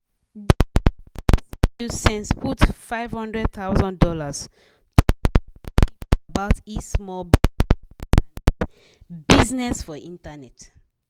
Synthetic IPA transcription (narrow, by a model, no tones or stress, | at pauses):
usɛ̃nsputfaɪv̥hɔ̃ndɹɛd̚t̪aʊzɔ̃ndɔlas | t | baʊtismɔ | biznɛsfɔʔĩntanɛt